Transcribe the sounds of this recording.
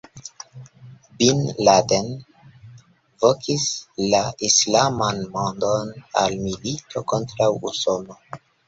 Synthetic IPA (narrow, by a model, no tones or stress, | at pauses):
binladen | vokʰislaʔislamanmondona̰lmilitʰo̞ko̞ntɾawṵsono̞